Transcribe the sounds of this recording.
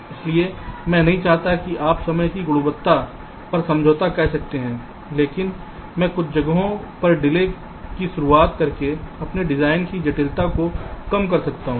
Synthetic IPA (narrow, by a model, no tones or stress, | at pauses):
ɪsliemɛ̃ːnɐɦĩt͡ʃaːɦt̪akiʔaːpsɐməjkiɡʊɽubət̪ːa | pɐɾsɐ̃md͡ʒʱoːt̪akɛɦsɐk̚t̪eɦɛ̃ː | leːkɪn | mɛ̃ːkʊt͡ʃʰd͡ʒɐɡɦõpɐɾɖɪle | kiʃʊɾuaːt̪kɐɾkeɐpneɖɪzaːɪnkid͡ʒɐʈɪlt̪akokɐmkɐɾsɐkt̪aɦũː